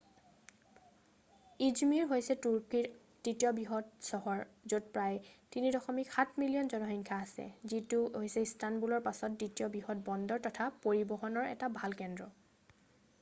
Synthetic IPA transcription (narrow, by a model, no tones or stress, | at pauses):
izmiɹɦojsɛtuɹki | d̥itjɔbɹiɦɔtsɔɦɔɹzot̚pɹajtinidɔxɔmikxatʰmilijɔnzɔnɔɦiŋkʰaːsɛ̰zituojsɛistanbulɔɹpasɔt̚ditijɔbɹiɦɔt̚bɔndɔɹtɔtʰapoɹibɔɦɔnɔɹɛ̰tabʱalkɛndɹɔ